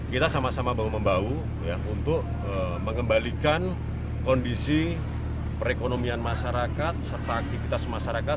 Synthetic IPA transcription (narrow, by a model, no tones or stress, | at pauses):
kit̪asamasamabauməmbau | jaunt̪ʊk̚ | əməŋɡəmbalikan | kondisi | pəɾekonomianmaʃaɾakat̪̚sərt̪aːk̚t̪ifit̪asmaʃaɾakat̪̚